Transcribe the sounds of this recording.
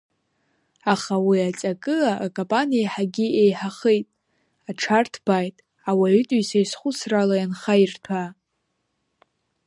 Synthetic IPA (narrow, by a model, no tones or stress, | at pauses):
aχawiat͡sʼakʼɨlaʔːkʼompʼanijaħaɡʲiejħaχejtʼ | aʈ͡ʂʰartʰb̥ajtʼ | awaytʼujsajsχʷʊsralajanχairtʰa